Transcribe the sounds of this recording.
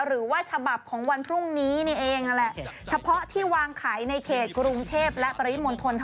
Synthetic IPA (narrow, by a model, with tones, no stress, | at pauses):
ɾɯː˩˦waː˥˩t͡ɕʰa˧ba˨˩p̚kʰɔː˩˦ŋwa˧npʰɾu˥˩ŋniː˦˥ni˥˩ʔeː˧ŋa˧lɛ˨˩ʔt͡ɕʰa˧pʰɔ˦˥t̪ʰiː˥˩waː˧ŋkʰaː˩˦jna˧jkʰeː˨˩t̪̚kɾu˧ŋt̪ʰeː˥˩p̚lɛ˦˥pɾa˧wi˦˥mo˧nt̪ʰo˧nt̪ʰ